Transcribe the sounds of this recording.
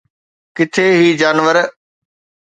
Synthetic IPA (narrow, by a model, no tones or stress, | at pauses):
kɪt̪ʰeːɦiːd͡ʑaːnʋəɾ